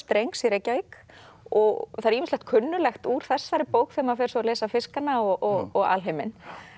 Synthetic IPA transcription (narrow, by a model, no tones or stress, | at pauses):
st̪ɾejŋksiɾejcːaik | ɔɣθaɾimɪslɛht̪̚kʰʏnːʏlɛxt̪uːɾ̥θɛsːaɾɪpoːwkθɛmafɛɾ̥sɔalɛːsafɪskanːaɔɔɣɔɣa̰lɦejmɪn